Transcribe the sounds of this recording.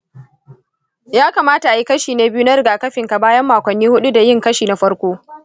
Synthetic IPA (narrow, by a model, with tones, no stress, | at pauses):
jaː˦kaː˨maː˦ta˨ʔa˨ji˦kɐ˦ʃiː˨neː˦bɪ˦ju˦na˦ɾɪ˨ɡaː˨kɐ˦ɸɪ˨ŋka˨baː˦jɐ˦mːaː˨kʷɐ˨nːiː˦hʊ˦ɗu˦da˨jɪ˦ŋkɐ˦ʃiː˨na˦ɸɐ˦ɽkʷoː˦